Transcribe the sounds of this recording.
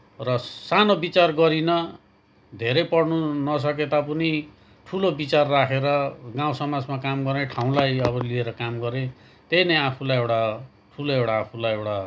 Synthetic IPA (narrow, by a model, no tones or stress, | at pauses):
rʌsanobit͡sarɡʌɾinʌ | d̪ʱeɾʌjpʌɽnunʌs̬ʌk̬et̪ap̬uni | ʈʰulobit͡sarːakʰeɾʌɡaw̃sʌmad͡zmakamɡʌrneʈʰaw̃lajʌβʌlieɾʌkamɡʌɾẽ | t̪ejnʌapʰulajewʈa | ʈʰuloewʈaːpʰulajewʈa